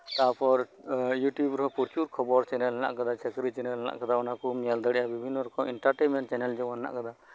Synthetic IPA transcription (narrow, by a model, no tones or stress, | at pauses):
t̪apʰɔɾjuʈjubɾɔpuɾt͡ʃuɾkʰɔbɔɾt͡ʃɛnɛlɛna̰ʔkad̪at͡ʃəkɾit͡ʃɛnɛlɛna̰ʔkad̪aɔnakunijald̪əɽɛjabibʱinːɔɾɔkɔmiɳʈaɾʈenmɛɳʈ̚t͡ʃɛnɛld͡ʒɔanna̰ʔkad̪a